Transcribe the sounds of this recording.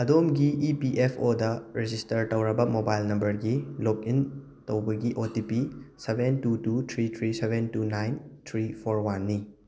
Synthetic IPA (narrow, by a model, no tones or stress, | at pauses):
ɐdomɡiipiʔepʰodɐɾed͡ʒistɐɾtɐwɾɐbɐmobajlnɐmbɐɾɡilok̚in | tɐwbɐɡiʔotipisebʱentutut̪ʰɾit̪ʰɾisebentunajntʰɾipʰoɾwanːi